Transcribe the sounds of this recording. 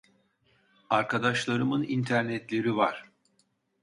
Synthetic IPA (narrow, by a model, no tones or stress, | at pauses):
aɾkʰad̪aʃlˠaɾɯmɯnint̪ʰæɾnɛt̪lʲe̞ɾivaɾ̥